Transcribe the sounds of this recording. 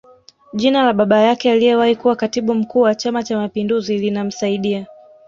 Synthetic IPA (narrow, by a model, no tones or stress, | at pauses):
ʄinalaɓaɓajakɛalijɛwahikuwakatiɓum̩kuːwat͡ʃamat͡ʃamapinduzilinam̩saiɗia